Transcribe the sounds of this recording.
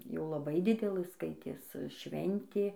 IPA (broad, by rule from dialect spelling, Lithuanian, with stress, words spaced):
jɛʊ lˠɐˈbɐɪ ˈdʲɪdʲɛlˠɘ ˈskɐɪtʲeːs ˈʃʲʋʲɛnʲtʲeː